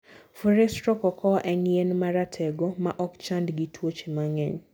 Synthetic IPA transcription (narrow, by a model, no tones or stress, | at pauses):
fuɾɛstɾɔkɔkʰɔʔɛŋjɛnmaɾatʰɛɡɔmaʔɔkt͡ʃandɡitʰwot͡ʃemaŋɛɲ